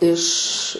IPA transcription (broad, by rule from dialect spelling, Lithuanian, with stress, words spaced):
ɪʃ